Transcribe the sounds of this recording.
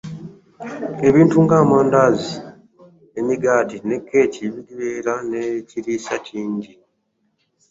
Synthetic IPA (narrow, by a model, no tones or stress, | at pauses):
e̞βiːntuŋɡaːmaːndaːzi | emiɡaːtine̞kʰːe̞ːciβiɡiβeːɾaneciɾiːsatʰiːɲɟi